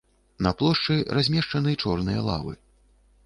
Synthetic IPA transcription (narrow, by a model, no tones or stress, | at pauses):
nɐplˠɔʂt͡ʂɨrazʲmʲɛʂt͡ʂɐnɨt͡ʂɔrnɨjɐlˠa̰vɨ̰